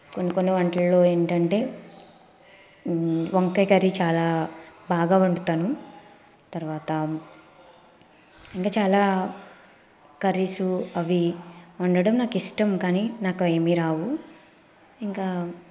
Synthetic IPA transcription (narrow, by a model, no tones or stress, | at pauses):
konːikonːiʋɐɳʈɐlːo̞ːe̞ːɳʈɐɳʈe̞ː | ʋɐŋkɐjkɐɾit͡ʃaːlaːbʱaːɡaːuɳɖut̪aːnu | t̪ɐɾʋaːt̪ɐ | iŋkaːt͡ʃaːlaː | kɐɾisuɐʋiɐɳɖɐɽɐmnaːkiʂʈɐmkaːninaːkueːmiɾaːʋu | iŋkaː